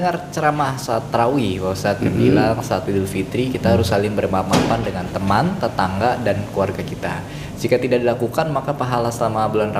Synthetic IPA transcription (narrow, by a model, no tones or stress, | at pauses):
əŋart͡ʃəɾamahsaːt̪ːɾawiwawasaːt̪̚məbilaŋsaat̪idulfit̪ɾikit̪aɦaɾʊsalɪŋbərmapapandəŋant̪əmant̪ət̪aŋɡadankluarɡakit̪a | d͡ʒikat̪idaʔdilakukanmakapaɦalasəlamabulanra